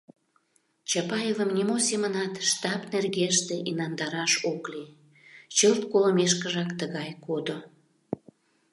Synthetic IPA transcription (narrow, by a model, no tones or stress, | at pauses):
t͡ɕɑpɑjevəmnʲimosemənɑt̪ʃt̪ɑpnerɣeʃt̪eʔinɑnd̪ɑɾɑʃokli | t͡ɕəlt̪koləmeʃkəʒɑkt̪əɣɑjkod̪o